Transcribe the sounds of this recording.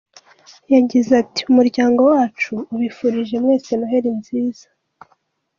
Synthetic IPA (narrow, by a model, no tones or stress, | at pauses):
jaɟizati̥umuɾɟaːŋɡo̞waːt͡ʃuːβifuɾiʒe̞mŋwe̞ːse̞nuɦe̞ɾinziːz̥a